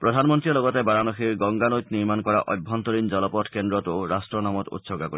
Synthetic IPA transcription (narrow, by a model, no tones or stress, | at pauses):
pɾɔd̪ʱanmɔnt̪ɾilɔɡɔt̪ebaɾanɔxiɾɡɔŋɡanojt̪niɾmankɔɾa̰ʔɔjbʱɔnt̪ɔɾind͡ʒɔlɔpɔtʰkend̪ɾɔt̪oɾasʈɾɔnamɔt̪ṵt̪sɔɡako̰ɾi